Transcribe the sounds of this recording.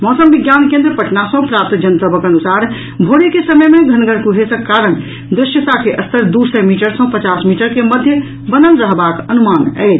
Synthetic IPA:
mɔsəmbiɡjankẽnd̪ɾəpəʈnasə̃pɾap̚t̪d͡ʒənsəbəkənusaɾ | bʱoɽikesəməjmeɡʱənɡəɾkuɦesəkːaɾən | d̪ɾɪʃjət̪akeʔəst̪əɾd̪usəmiʈəɾsə̃pət͡ʃasmiʈəɾkeməd̪ʱjə | bənənɾəɦbakənumanɛ̰t͡ʃʰ

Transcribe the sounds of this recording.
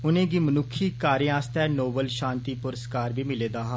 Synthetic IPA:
ʊnẽːɡiːmənʊkʰiːkaːɾĩaːst̪ɛːnoːbəlʃãːnt̪iːpʊɾəskaːɾbiːmɪleːd̪aːɦaː

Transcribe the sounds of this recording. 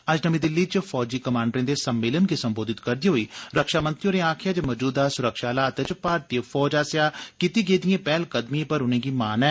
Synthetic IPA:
əd͡ʒnəmĩːd̪ɪlːiːt͡ʃpʰɔːd͡ʒiːkəmãːɳɖɾẽːd̪eːsəmːeːlənɡiːsəmboːd̪ɪt̪kəɾd̪iːɦoːiːɾəkʃaːmə̃nt̪ɾiõːneːaːkʰɪjaːd͡ʒamɔd͡ʒuːd̪aːsʊɾəkʃaːlaːət̪et͡ʃpaːɾt̪ipʰɔːd͡ʒaːsjaːkit̪iːɡeːd̪ɪjẽːpɛːlkəd̪miẽpəɾʊnẽːɡiːmaːnɛː

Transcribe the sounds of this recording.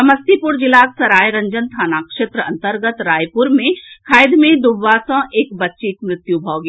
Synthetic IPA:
ɐmɐst̪ʰipʊɾd͡ʒɪlaːksɐɾaːjɾɐ̃ɲd͡ʒənt̪ʰaːnaːkʂeːt̪ɾəɐ̃nt̪əɾɡət̪ɾaːjpʊɾmẽkʰaːjd̪mẽd̪ʊʋːaːsãʔeːkbɐtːʃik̪mɾɪt̪jubʱaːɡi

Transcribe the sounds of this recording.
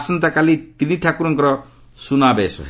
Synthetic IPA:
sʌnt̪akalit̪iniʈʰakuɾɔŋkɾʌ | sunabeso̰

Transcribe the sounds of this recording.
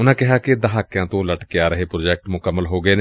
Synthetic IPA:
ʊnãːkɪɦaːkɪd̪əɦaːkːjãːt̪õːləʈkeaːɾəɦeːpɾoːd͡ʒɛːk̚ʈmʊkəmːəlɦoːɡəeːneː

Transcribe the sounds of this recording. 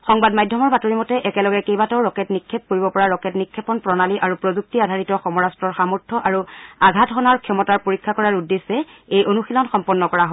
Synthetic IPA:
xɔŋbadmajdʱːɔmɔɹbatoɹimɔtɛʔɛkɛlɔɡɛkejbatɔwɹɔkɛtnikʰːep̚koɹibɔpɔɹaɹɔkɛtnikʰːɛpɔnpɹɔnaliʔaɹupɹozuk̚tiadʱaɹitɔxɔmɔɹastɹɔɹxamɔɹtʰɔʔaɹuaɡʱatɦɔnaɹkʰjɔmɔtaɹpoɹikʰːakɔɹaɹudːesɛejʔonuxilɔnxɔmpɔnːɔkɔɹaɦo

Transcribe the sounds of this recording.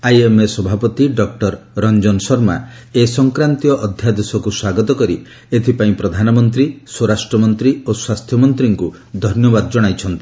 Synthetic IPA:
ajemesɔbʱapɔt̪iɖɔk̚ʈɔɾɾɔnd͡ʒɔnsɔɾma̰esɔŋkɾant̪ijɔʔɔd̪ʱjad̪esɔkuswaɡɔt̪ɔkɔɾi | et̪ʰipaĩpɾɔd̪ʱanɔmɔnt̪ɾiswoɾasʈɾɔmɔnt̪ɾioswast̪ʰjɔmɔnt̪ɾiŋku | d̪ʱɔnjɔbad̪ɔd͡ʒɔɽ̃ajt͡ʃʰɔnt̪i

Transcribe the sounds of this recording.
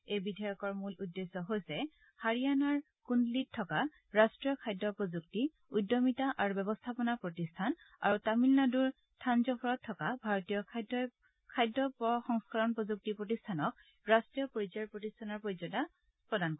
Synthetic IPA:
ejbidʱajɔkɔɹmuludːesːɔɦojsɛ | haɹijanaɹ | kundlit̚tʰːɔka | ɹastɹijɔkʰajdːɔpɹozuk̚ti | ujdːɔmitaʔaɹubɛbɔstʰapɔnapɹotistʰan | a̰ɹutamilnaduɹ | tʰanzɔpʰɔɹɔtʰːɔkabʱaɹɔtijɔd | kʰajdːɔpɔxɔŋskaɹɔnpɹozuk̚tipɹotistʰanɔk̚ | ɹastɹijɔpoɹizaɹpɹotistʰanɔɹpoɹizɔta | pɹɔdankɔ

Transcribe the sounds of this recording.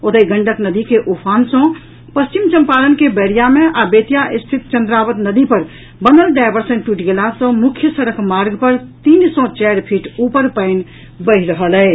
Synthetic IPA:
ot̪əiɡə̃ɳɖəknəd̪ikeʔupʰansə̃ | pəst͡ʃimt͡ʃə̃mpalənkebəɾijamẽʔabet̪ijaʔist̪ʰit̪̚t͡ʃə̃nd̪ɾabəd̪nəd̪ipəɾ | bənəlɖaɪbəɾsənʈuʈɡelasə̃mukʰjəsəɾəkmaɾɡpəɾt̪iːnsɔ̃t͡ʃɛɾpʰiːʈupəɾpəɪn | bəɪɦɾəɦəlɛɪ

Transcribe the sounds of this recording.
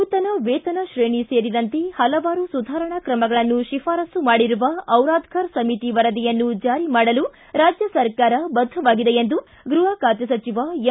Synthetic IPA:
ut̪ɐnɐʋeːt̪ɐnɐʃɾeːɳiseːɾid̪ɐnt̪ehɐlɐʋaːɾusud̪ʱaːɾɐɳɐkɾɐmɐɡɐɭɐnːuʃifaːɾɐsumaːɽiɾuʋɐɐwɾaːd̪ʱkʰɐɾsɐmit̪iʋɐɾɐd̪ijɐnːud͡ʒaːɾimaːɽɐlu | ɾaːd͡ʒjɐsɐɾkaːɾɐbɐd̪ʱːɐʋaːɡid̪e̞jend̪u | ɡɾuɦaːkaːt̪jɐsɐt͡ʃiʋa

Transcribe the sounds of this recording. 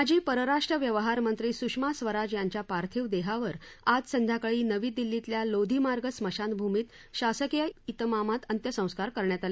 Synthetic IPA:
ad͡ʑiːpəɾəɾaʂʈɾəʋjəʋəɦaɾmənt̪ɾiːsukʂmasʋəɾad͡ʑjaɲt͡ɕjapaɾt̪ʰiʋd̪eɦaʋəɾad͡zsənd̪ʱjakəɭiːnəʋiːd̪ilːit̪ljalod̪ʱimaɾɡəsməɕanbʱumiːt̪ | ɕasəkjəit̪mamat̪ənt̪jəsə̃w̃skaɾkəɾɳjat̪ali

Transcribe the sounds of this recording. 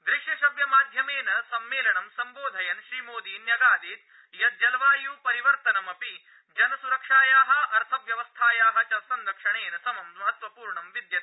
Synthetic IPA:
d̪ɾɪʂjɐʃɐʋjɐmaːd̪ʱjɐmeːnɐsɐmːeːlɐɳɐmsɐmboːd̪ʱɐjɐnʃɾiːmoːd̪iːnjɐɡaːd̪iːt̪̚ | jɐt̪̚d͡ʒɐlʋaːjuːpɐɾiʋɐɾt̪ɐnɐmɐpi | d͡ʒɐnɐsuɾɐkʂaːjaːɦɐɐɾt̪ʰɐʋjɐʋɐst̪ʰaːjaːɦɐ̆t͡ʃɐsɐnd̪ɐkʂɐɳeːnɐsɐmɐmmɐɦɐt̪ʋɐpuːɾɳɐmʋid̪jɐt̪ː

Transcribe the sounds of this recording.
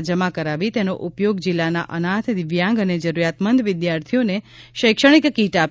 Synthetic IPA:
d͡ʒəmakəɾaʋit̪eno̰ʔupjoɡd͡ʒilːana̰ʔənat̪ʰd̪ɪʋjãŋɡəned͡ʒəɾuɾjat̪mənd̪ʋɪd̪jaɾt̪ʰijoneʃəjkʃəɽ̃ikkiʈap

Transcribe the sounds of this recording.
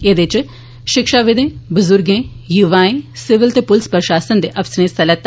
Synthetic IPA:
eːd̪ɪt͡ʃ | ʃɪkʃaːʋɪd̪ẽːbʊzʊɾɡẽː | juʋaːẽsɪʋɪlt̪eːpʊlspəɾʃaːsənd̪eːʔɐfsəɾẽːsɐlət̪

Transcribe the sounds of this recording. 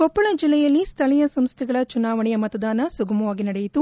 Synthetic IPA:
kɔpːɐɭɐd͡ʒilːɛjɐlːist̪ʰɐɭɛjɐsɐmst̪ʰɛɡɐɭɐt͡ʃunaːʋɐɳɛjɐmɐt̪ɐd̪aːnɐsuɡɐmɐʋaːɡinɐɽɛjit̪u

